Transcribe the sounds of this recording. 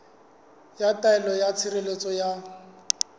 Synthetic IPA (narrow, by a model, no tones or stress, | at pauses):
jatʼaɛlɔjat͡sʰirelet͡sʼɔja